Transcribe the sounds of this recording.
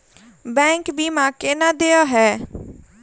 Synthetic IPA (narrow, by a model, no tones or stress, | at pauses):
bɛ̃ːŋkbʱiːmãːkɪnãːd̪eːaɦɛː